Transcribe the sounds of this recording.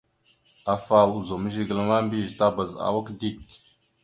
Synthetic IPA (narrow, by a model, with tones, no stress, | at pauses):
a˨fa˨wu˨zo˨mə˦ʒi˦ɡə˨lə˦ma˦mbi˦˨ʒta˦ba˨za̰˨wa˦kdi˦t